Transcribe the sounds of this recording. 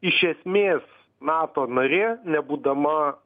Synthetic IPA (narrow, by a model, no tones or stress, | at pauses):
ɪʃʲɛsʲmʲeːs | nɑːt̪oːnɐɾʲeːnʲɛbuːd̪ɐmɐ